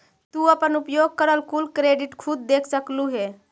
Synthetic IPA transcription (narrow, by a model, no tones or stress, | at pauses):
t̪uəpənupjoɡ̚kəɾəlkulkɾeɖiʈkʰud̪̚d̪ekʰsəkluɦe